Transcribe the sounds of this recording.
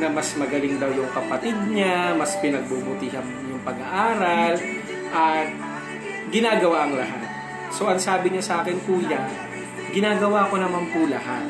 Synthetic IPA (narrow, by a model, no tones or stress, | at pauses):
nɐmɐsmɐɡɐlɪŋd̪ɐwjʊŋkɐpɐt̪ɪd̪̚ɲamɐspɪnɐɡ̚bubʊt̪ɪɦɐm | jʊŋpɐɡɐʔaːɾɐl | ʔɐt̪̚ | ɡɪnaːɡɐwaʔɐŋlɐ̰ɦa̰t̪̚ | so̞ʔɐŋsaːbɪɲasaːkɛnkuːjan | ɡɪnaːɡɐwaːko̞nɐmanpʊlɐhat̪̚